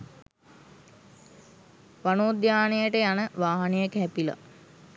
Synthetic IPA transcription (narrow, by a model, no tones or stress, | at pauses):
ʋanoːd̪jaːnejəʈəjanəʋaːɦanejəkɦɛpila̰